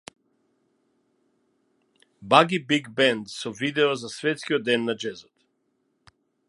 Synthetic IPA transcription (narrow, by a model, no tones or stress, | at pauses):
baɡibiɡbɛnd̪sɔvid̪ɛɔzasvɛt̪skʲiɔd̪̚ːɛnːad͡ʒɛzɔt̪